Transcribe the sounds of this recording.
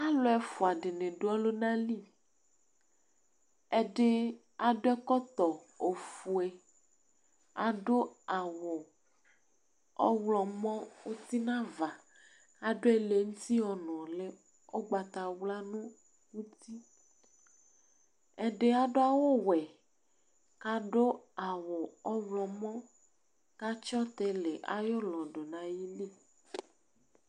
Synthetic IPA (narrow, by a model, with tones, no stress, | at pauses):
a˦lo˦ɛ˦fo˨a˨ɖe˨nẽ˨ɖo˦ɔ˦lo˦nã˦li˦˨ | ɛ˦ɖe˦ | a˨ɖo˦ɛ˦kɔ˦t̪ɔ˨ | o˨fu˨ɛ˨ | a̰˨ɖo˦a˨wɔ˨ | ɔ̰˦wlɔ˨mɔ̃˦wo˦t̪i˦nã˦va˨ | a˨ɖo˦ɛ˦le˨ŋũ˦t̪i˦ɔ˨nɔ̃˨le˦ | o˦ɡ͡ba˨t̪a˨wla˦nũ˦ | wu˦t̪i˦ | ɛ˨ɖe˦a˨ɖo˦a˦wo˦wɛ˨ | ka˦ɖo˦a˨wɔ˨ɔ˦wlɔ˨mɔ̃˦ | ka˦t͡ʃɔ˦t̪ɛ˦le˨ʔa̰˨jo˦lɔ̃˨ɖo˨nã˨ji˦le˦˨